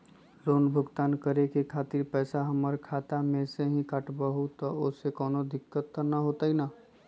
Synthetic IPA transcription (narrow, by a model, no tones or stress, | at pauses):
ɾoːnbʱʊɡt̪aːnkəɾekekʰaːt̪ɪɾpɛːsaɦəməɾkʰaːt̪amẽseɦĩkəʈbəɦut̪ɔosekɔːnod̪ɪkːət̪ːənəɦoːt̪ainaː